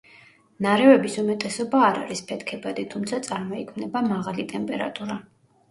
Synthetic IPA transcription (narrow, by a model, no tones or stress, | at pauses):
naɾɛvɛbisumɛt̪ʼɛsɔbaːɾa̰ɾispʰɛt̪ʰkʰɛbad̪it̪ʰumt̪sʰat̪sʼaɾmɔikʰmnɛbamaʁalit̪ʼɛmpʼɛɾa̰t̪ʼuɾa